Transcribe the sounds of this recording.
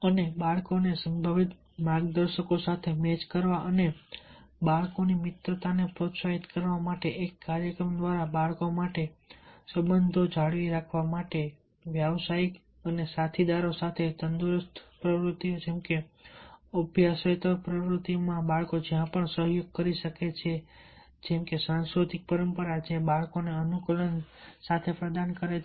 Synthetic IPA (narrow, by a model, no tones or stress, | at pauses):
ənebaɭkonesəmbʱaʋit̪ | mãɡd̪əɾʃəkosat̪ʰemet͡ʃkəɾʋaʔəne | baɭkonimɪt̪ɾət̪anepɾot̪saɦit̪kəɾʋamaʈeʔekːaɾjəkɾəmd̪ʋaɾabaɭkomaʈesəbənd̪ʱod͡ʒaɭʋiɾakʰʋamaʈe | ʋjaʋsaik | ənesat̪ʰid̪aɾosat̪ʰet̪ənd̪uɾəst̪ʰpɾəʋɾut̪ːiod͡ʒemke | əbʱjaset̪əpɾəʋɾut̪imãbaɭkod͡ʒjãpəɳsəɦjoɡ̚kəɾiʃəket͡ʃʰe | d͡ʒemkesãnskɾut̪ik̚pəɾəmpəɾad͡ʒebaɭkoneənukələnsat̪ʰepɾəd̪ankəɾe